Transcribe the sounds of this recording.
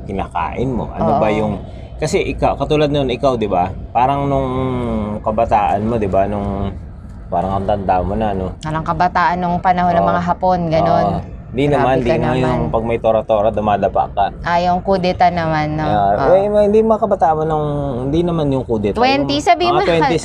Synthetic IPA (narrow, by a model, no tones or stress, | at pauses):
kɪna̰ːka̰ːʔɪnmo̞̰ʔɐ̰nobɐjʊŋ | kɐsɛʔɪkawkɐt̪uːlad̪̚noonɪkawd̪ɪbapaːɾɐŋnʊŋ | kɐbɐt̪aːʔɐnmo̞d̪ɪbanʊŋ | paːɾɐŋɐnt̪ɐnd̪amːonɐnoaɾɐŋkɐbɐt̪aːʔɐnːʊŋpɐnɐɦonːɐmɐŋaɦaponɡɐnon | hɪnd̪inɐmand̪nɐmanjʊŋpɐɡ̚mɐjt̪oɾɐt̪oːɾɐd̪ʊmaːd̪ɐpa̰ʔkɐʔajoŋkud̪ɛt̪ɐnɐmanoɛhɪnd̪imɐŋakɐbɐt̪aːʔɐnmonʊŋhɪnd̪inɐmanjʊŋkud̪ɛt̪wɛnt̪isɐbimɪɐwɛni